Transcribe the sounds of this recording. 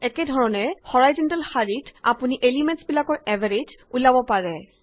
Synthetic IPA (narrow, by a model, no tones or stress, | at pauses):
ɛkɛdʱɔɹɔnɛhɔɹajzɔntalxaɹitʰapuniʔelimɛ̃ntsbilakɔɹɛvʱaɹed͡ʒulabɔpaɹɛ